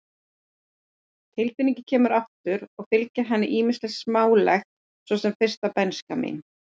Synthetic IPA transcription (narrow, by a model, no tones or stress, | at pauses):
t̪ʰɪlfɪniɲcɪ̥cʰɛːmʏɾaft̪ʏɾɔɣfɪlcaɦɛnːɪʔiːmɪ̥stlɛxsmaːwlɛxt̪̚ | svɔːsɛmfɪr̥st̪apɛnskamḭn